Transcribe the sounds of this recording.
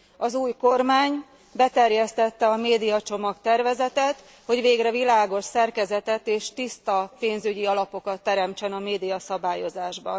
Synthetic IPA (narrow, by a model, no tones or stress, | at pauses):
ɒzuːjko̞rmaːɲ | bɛt̪ɛrjɛst̪ɛt̪ːɛɒmeːd̪ijɒt͡ʃo̞mɒkt̪ɛrvɛzɛt̪ɛt̪ | ho̞ɟveːɡrɛvilaːɡo̞ʃsɛrkɛzɛt̪ɛt̪eːʃt̪ist̪ɒpeːnzyɟiɒlɒpo̞kɒt̪ːɛɾɛmt͡ʃɛnɒmeːd̪ijɒsɒbaːjo̞zaːʒbɒ̰n